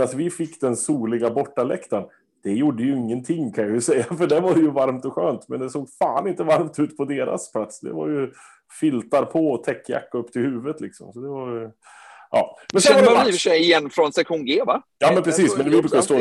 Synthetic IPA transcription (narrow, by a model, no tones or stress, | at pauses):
at̪vɪfɪkːd̪ɛnsuːlɪɡabɔʈːalɛ̰kt̪an | d̪̥ɛjuɖːəjɵɪŋːənt̪ʰɪŋːkʰanjajɵsɛjːafœɖɛvaɾjɵvaɾmt̪ɔɧøːnt̪mɛnd̪ɛsoːɡfaːnɪnt̪əvaɾmt̪ʉ̟ːt̪pʰɔd̪eːɾʔa̰spʰlat̪sd̪ɛ̰va̰ɾjɵ | fɪlt̪aɾpʰɔɔt̪ʰɛkːja̰kːaɵpːt̪ʰɪlhʉːvət̪lɪksɔ̰msɔd̪ɛvaɾj | ʔɑ̰ːmɛnsɛaiːvɪʂɛjɪjɛnːfɾɔnsɛkɧuːnɡeːvajɑːmmɛnpʰɾɛsiːsmɛnvɪɾʉkːast̪oː